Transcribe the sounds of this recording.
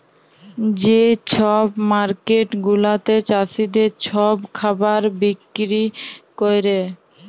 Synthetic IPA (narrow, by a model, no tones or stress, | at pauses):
d͡ʑet͡ɕʰɔbmaɾkeʈɡulat̪et͡ɕasid̪et͡ɕʰɔbkʰabaɾbikɾikojɾe